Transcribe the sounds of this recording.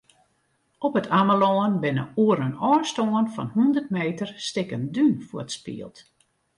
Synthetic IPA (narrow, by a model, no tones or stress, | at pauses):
ʔɔpətʰaməloːənbɪnə̰uəɾənɔːstoːənfɔ̰nhundərtmeːtərstɪkəndynfuə̰tspḭəlˠt